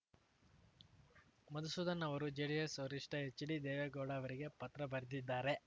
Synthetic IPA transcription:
mɐd̪ɐsud̪ɐnːɐʋɐɾud͡ʒeɽijesoɾiʂʈɐɦet͡ʃːiɽid̪ɛːʋeɡoːɽaʋɐɾiɡe̞pɐt̪ɾɐbɐɾɐd̪id̪ːaːɾe̞

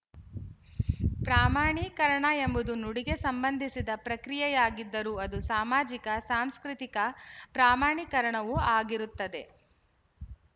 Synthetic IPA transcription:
pɾaːmaːɳikɐɾɐɳɐe̞mbud̪unuɽiɡe̞sɐmbɐnd̪ʱisid̪ɐpɾɐkɾijɛjaːɡid̪ːɐɾuɐd̪usaːmaːd͡ʒikɐsaːmskɾit̪ikɐpɾaːmaːɳikɐɾɐɳɐʋuaːɡiɾut̪ːɐd̪e̞

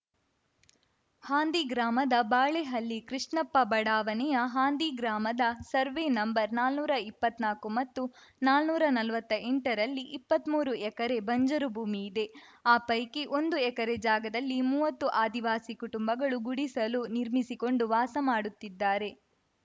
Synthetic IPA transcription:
haːnd̪iɡɾaːmɐd̪ɐbaːɭeɦɐlːikɾiʂɳɐpːɐbɐɽaːʋɐnɛjɐɦaːnd̪iɡɾaːmɐd̪ɐsɐɾʋenɐmbɐɾnaːlnuːɾɐipːɐt̪ːnaːkumɐt̪ːunaːlnuːɾɐnɐlʋɐt̪ːɐeɳʈɐɾɐlːiʔipːɐt̪muːɾuɛkɐɾe̞bɐɲd͡ʒɐɾubʱuːmiːd̪e̞ | aːpɐjkiʔo̞nd̪uɛkɐɾed͡ʒaːɡɐd̪ɐlːimuːʋɐt̪ːuʔaːd̪iʋaːsikuʈumbɐɡɐɭuɡuɽisɐluniɾmisiko̞ɳɖuʋaːsɐmaːɽut̪ːid̪ːaːɾe̞

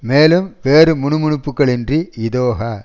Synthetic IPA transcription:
meːlɯmʋeːɾɯmʊɳɯmʊɳɯpːɯkːɐɭɛndriɪðoːɣɐ

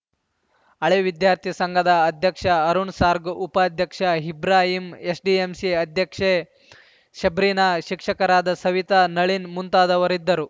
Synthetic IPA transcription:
ɐɭeːʋid̪jaːɾt̪ʰisɐŋɡʱɐd̪ɐːd̪ʱjɐkʂɐɐɾuɳsaːɾɡupɐːd̪ʱjɐkʂɐɦibɾaːɦimesɖiemsiɐd̪ʱjɐkʂe | ʃɐbɾiːnaʃikʂɐkɐɾaːd̪ɐsɐʋit̪anɐɭinmunt̪aːd̪ɐʋɐɾid̪ːɐɾu

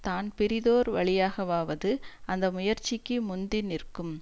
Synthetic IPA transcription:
t̪aːnpɪɾɪðoːɾʋɐ̰ɭɪjaːɣɐʋaːʋɐðɯɐnd̪ɐmʊjɐɾt͡ʃːɪkːɯmʊnd̪ɪnɪrkɯm

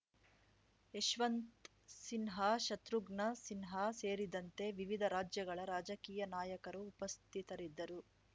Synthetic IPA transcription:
eʃʋɐnt̪ | sinɦaʃɐt̪ɾuɡɳɐsinɦaseːɾid̪ɐnt̪e̞ʋiʋid̪ʱɐɾaːd͡ʒjɐɡɐɭɐɾaːd͡ʒɐkiːjɐnaːjɐkɐɾuːpɐst̪ʰit̪ɐɾid̪ːɐɾu

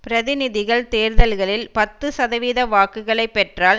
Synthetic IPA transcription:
pɪɾɐðɪnɪðɪɣɐɭt̪eːɾðɐlɣɐɭɪlpɐt̪ːɯsɐðɐʋiːðɐʋaːkɯɣɐɭɐɪpːɛʈraːl

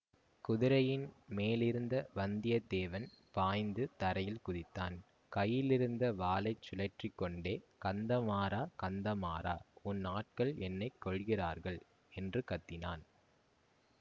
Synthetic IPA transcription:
kʊðɪɾɐjɪnmeːlɪɾɯnd̪ɐʋɐnd̪ɪjɐd̪eːʋɐnpaːjnd̪ɯt̪ɐɾɐjɪlkʊðɪt̪ːaːn | kɐjːɪlɪɾɯnd̪ɐʋaːlɐɪt͡ʃːʊlɐʈrɪkːɔɳɖeːkɐnd̪ɐmaːɾaːkɐnd̪ɐma̰ːɾa̰ːʊnːaːʈ̚kɐɭɛnːɐɪkːɔɭɣɪra̰ːɾɣɐɭ | ɛndrɯkɐt̪ːɪnaːn

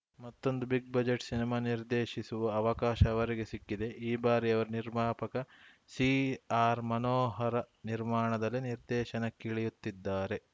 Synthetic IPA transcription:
mɐt̪ːo̞nd̪ubiɡ̚bɐd͡ʒeʈsinimaːniɾd̪eːʃisuʋɐɐʋɐkaːʃɐːʋɐɾiɡe̞sikːid̪e̞ʔiːbaːɾiɐʋɐɾuniɾmaːpɐkɐ | siaːɾmɐnoːɦɐɾɐ | niɾmaːɳɐd̪ɐlːiniɾd̪ɛːʃɐnɐkːeɭijut̪ːid̪ːaːɾe̞

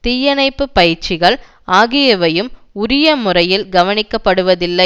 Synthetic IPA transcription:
t̪ɪjɐnɐɪpːɯpɐjɪɾt͡ʃɪɣɐɭ | ʔaːɣɪjɐʋɐjɯmʊɾɪjɐmʊrɐjɪlɡɐʋɐnɪkːɐpːɐɽɯʋɐðɪlːɐɪ

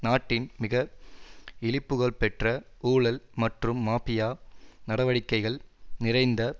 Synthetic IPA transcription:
naːʈːɪnmɪɣɐ | ɪlɪpːɯɣɐɭpɛʈrɐuːɭɐlmɐʈrɯmːaːpɪjaːnɐɽɐʋɐɽɪkːɐɪɣɐɭnɪrɐɪnd̪ɐ

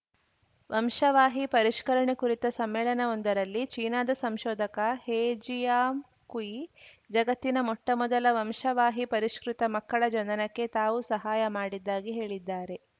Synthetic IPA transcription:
ʋʔɐmʂɐʋaːɦipɐɾiʂkɐɾɐɳekuɾit̪ɐsɐmːɛːɭɐnɐond̪ɐɾɐlːit͡ʃiːnaːd̪ɐsɐmʃɔːd̪ʱɐkɐheːd͡ʒijaːm | kuji | d͡ʒɐɡɐt̪ːinɐmɔʈːɐmɔd̪ɐlɐʋɐmʃɐʋaːɦipɐɾiʂkɾit̪ɐmɐkːɐɭɐd͡ʒɐnɐnɐkːe̞t̪aːʋusɐɦaːjɐmaːɽid̪ːaːɡiɦe̞ːɭid̪ːaːɾe̞

